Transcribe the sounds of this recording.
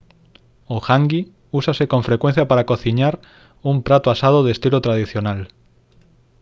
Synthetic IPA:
oxaŋɡi | usasekõɱfɾekwẽn̟θjapaɾakoθiɲaɾ | umpɾat̪oasað̞oðest̪ilot̪ɾað̞iθjonal

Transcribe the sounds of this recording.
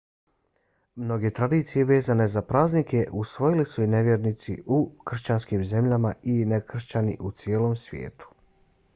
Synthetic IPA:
mno̞ɡe̞t̪ɾad̪iːt̪sije̞ʋe̞ːzane̞zapɾaːznike̞ʔusʋo̞jilisuine̞ʋʲjeːɾnit̪sḭʔukr̩ʃt͡ɕanskiːmze̞mʎamainekr̩ʃt͡ɕanḭʔut̪sjeːlomsʋjḛːt̪u̥

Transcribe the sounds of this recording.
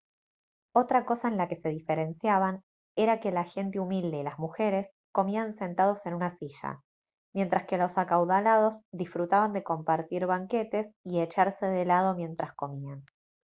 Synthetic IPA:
o̞t̪ɾako̞saenlake̞se̞ðife̞ɾe̞nsjaβan | e̞ɾake̞laxe̞nt̪eumild̪e̞ilazmuxe̞ɾe̞s | ko̞mianse̞nt̪að̞o̞se̞nunasiʒa̰ | mje̞nt̪ɾaske̞lo̞sakawðalað̞o̞zðisfɾut̪aβand̪e̞ko̞mpaɾt̪iɾβaŋke̞t̪e̞sie̞t͡ʃaɾse̞ðelað̞o̞mje̞nt̪ɾasko̞mian

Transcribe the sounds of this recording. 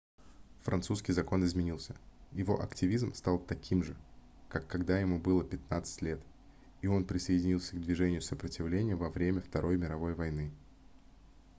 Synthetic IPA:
fɾʔɐnt̪suskʲɪjzɐko̞nɪzmʲɪnʲilˠsʲəjɪvo̞ʔɐktʲɪvʲizmst̪ɑlˠt̪ɐkʲʰimʐɨ | kakːɐɡd̪ajɪmubɨlˠəpʲɪt̪nat̪sɨ̥tʲlʲe̞t̪ | io̞npɾʲɪsəɪdʲɪnʲilˠsʲəɡd̪vʲɪʐɛnʲɪjʊsəpɾətʲɪvlʲenʲɪjəvɐvɾʲemʲəft̪ɐɾʔo̞jmʲɪɾɐvo̞jvɐjnɨ

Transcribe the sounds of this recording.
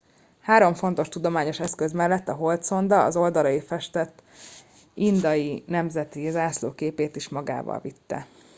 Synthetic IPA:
haːɾo̞ɱfo̞nt̪o̞ʃt̪ud̪o̞maːɲo̞ʃɛskøzmɛlːɛt̪ːɒɦo̞lt̪so̞nd̪ɒɒ̰zo̞ld̪ɒlɒjifɛʃt̪ɛt̪ː | ind̪ɒjinɛmzɛt̪izaːslo̰ːkeːpeːt̪iʃmɒɡa̰ːvɒ̰lvit̪ːɛ̰

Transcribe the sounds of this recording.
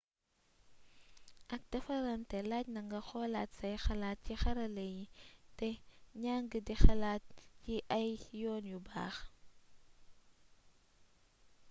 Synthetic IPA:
ʔɐk̚dɐfɐɾɐntɛlacnɐŋɡɐxɔlaːtsɐjxɐlaːt̚cixɐɾɐlejitɛɲaːŋɡədixɐlaːt̚ciʔɐjjɔːnjuba̰ːx

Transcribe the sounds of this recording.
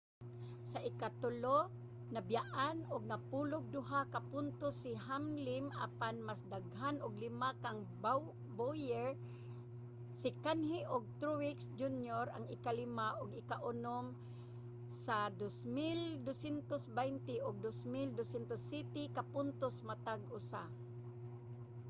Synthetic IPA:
saʔɪkat̪ʊlo | nabjaʔanʊɡ̚napulʊɡ̚d̪ʊɦakapʊnt̪osɪɦamlɪma̰panmasd̪aɡɦanʊɡlɪmakaŋb | bojɛɹ | sɪkanhɪʔʊɡ̚t̪ɾuwɪksd͡ʒunjoɾa̰ŋɪkalɪmaʔʊɡɪkaʔʊnom | sad̪osmɪld̪osɛnt̪osbajnt̪ɪʔʊɡ̚d̪osmild̪osɛnt̪osit̪ɪkapʊnt̪osmat̪aɡʔʊsa̰

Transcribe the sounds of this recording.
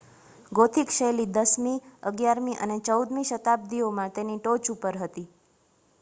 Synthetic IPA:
ɡot̪ʰikʃəjlid̪əsmĩəɡjaɾmĩʔə̰net͡ʃəud̪mĩʃət̪ab̚d̪iomãt̪eniʈot͡ʃupəɾɦət̪i

